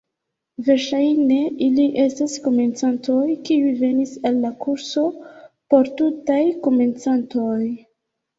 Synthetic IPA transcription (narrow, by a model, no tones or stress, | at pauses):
ve̞ɾʃajne̞ʔiliʔe̞stasko̞me̞nt͡santo̞jkiujve̞nisalːakuɾso̞po̞ɾtutajko̞me̞nt͡santo̞j